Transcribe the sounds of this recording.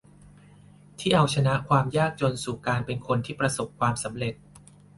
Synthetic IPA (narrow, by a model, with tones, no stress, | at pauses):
t̪ʰiː˥˩ʔa˧wt͡ɕʰa˧na˦˥ʔkʰwaː˧mjaː˥˩k̚t͡ɕo˧nsuː˨˩kaː˧npe˧nkʰo˧nt̪ʰiː˥˩pɾa˧so˨˩p̚kʰːwaː˧msa˩˦mɾe˨˩t̪̚